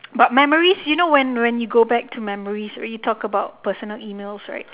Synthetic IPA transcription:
bat̚mɛməɹisjunowɛ̃nwɛ̃njuɡobɛk̚tʰumɛməɹisɹa̰jutʰɔkəbaʊt̚pəsənəliːmelsɹa̰ɪt̚

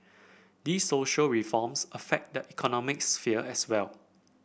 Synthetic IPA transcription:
disːoʃəlɹifɔmsəfɛk̚dəʔikʰɔnɔmɪk̚sfiəʔɛswɛl

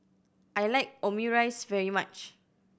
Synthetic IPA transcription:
ʔajlaɪk̚omuɹaɪsvɛɹimat͡ʃ

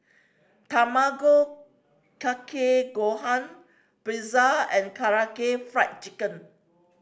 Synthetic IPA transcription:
t̪amaɡo | kakʰeɡohãn | pɾizaɛ̃nkʰaɹakefɹak̚t͡ʃikə̃n

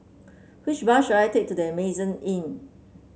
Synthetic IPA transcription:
wit͡ʃbaʃulajtek̚tudiəmezə̃nĩn

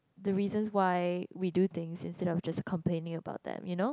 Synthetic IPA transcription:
d̪əɹizə̃nswaɪwidut̪ɪ̃ŋsɪ̃nstɛɾɔfd͡ʒaskʰɔ̃mplẽnɪ̃ŋəba̰ʊt̪̚d̪ɛ̰̃mjuno

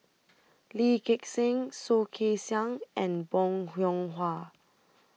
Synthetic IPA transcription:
likeksɪ̃ŋsokʰesjãŋʔɛ̃nbɔ̃ŋhjɔ̃ŋɦwa

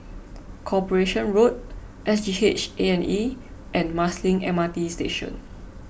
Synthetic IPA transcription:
kʰɔpəɹeʃə̃nɹot̚ | ʔɛsd͡ʒihet͡ʃeɛ̃niʔɛ̃nmaslĩŋɛ̰̃matistḛʃɔ̰̃n

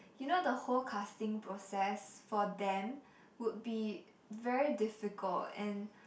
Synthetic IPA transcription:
junodəholkʰastɪ̃ŋpʰɹosɛsfɔdɛ̃m | wʊd̚bi | vɛɹidɪfɪkʰəltɛ̃n

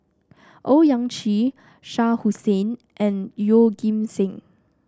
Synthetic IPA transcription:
ʔojãŋt͡ʃi | ʃahusẽn | ʔɛ̃njoɡĩmsɪ̃ŋ

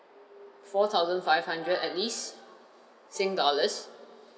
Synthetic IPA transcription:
fɔt̪ʰaʊzə̃nfaɪvhãndɹədɛt̚lis | sɪ̃ŋdɔləs

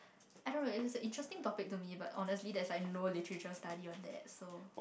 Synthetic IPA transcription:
aɪdõnːoɪtsə̃ʔɪ̃ntɹɛstɪ̃ŋtɔpɪk̚tumiba̰tɔnəslidɛslaɪknolitəɹit͡ʃəɹəstadiɔ̃ndɛ̰t̚so

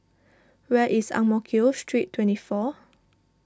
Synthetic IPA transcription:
wɛʔisã̰ŋmɔkʰiostʰɹitʰːwɛ̃ntifɔ

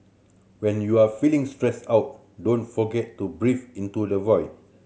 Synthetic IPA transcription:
wɛ̃njuafilĩŋstɹɛsawt̚ | dõnfɔɡɛtːubɹifĩntudəvɔjs

